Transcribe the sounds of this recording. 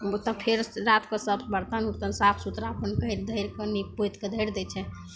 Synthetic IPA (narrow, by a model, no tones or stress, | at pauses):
ot̪əpʰeɾɾat̪kəsəbbəɾt̪ənuɾt̪ənsapʰsut̪ɾapənkəjɾd̪ʱəjɾkənipojt̪ked̪ʱəjɾd̪ɛt͡ʃʰɛ